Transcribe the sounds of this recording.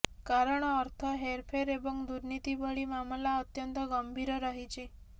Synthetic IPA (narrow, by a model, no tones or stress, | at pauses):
kaɾəɳ̃ɔːɾt̪ʰɔɦeɾpʰeɾebɔŋd̪uɾnit̪ibɔɭimamlaət̪jənt̪ɔɡəmbʱiɾɔɾəɦit͡ʃʰi